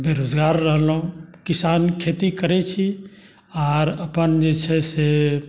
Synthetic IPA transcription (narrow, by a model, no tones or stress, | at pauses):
beɾoːd͡ʒɡaːɾːəɦlũkɪsaːnkʰeːt̪ikəɾet͡ʃʰi | ɔːɾɐpənd͡ʒet͡ʃʰɛse